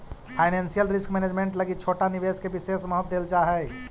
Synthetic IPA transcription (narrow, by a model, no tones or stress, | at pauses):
pʰaːɪnɛ̃ːnsijəlɾɪskmɛːneːd͡ʒmẽɳʈləɡit͡ʃʰoːʈanɪʋeːskebɪseːsməɦət̪̚d̪eːld͡ʒaɦɛ